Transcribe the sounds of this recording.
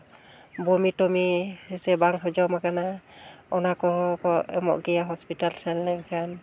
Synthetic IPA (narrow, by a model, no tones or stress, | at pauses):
bɔmitɔmisɛsɛbaŋɦɔd͡ʒɔwmakanaɔnakɔɔkɔɛ̰mɔ̰ʔɡɛjaɦɔspitalsɛnlɛŋkʰan